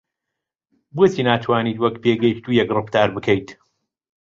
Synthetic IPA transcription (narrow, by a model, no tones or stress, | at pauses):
bʊt̪ʰiːnaːt̪ʰwaːniːt̪wɐkpeːɡɛjkt̪uːjɛkrɨft̪aːɾbɨkʰəjt̪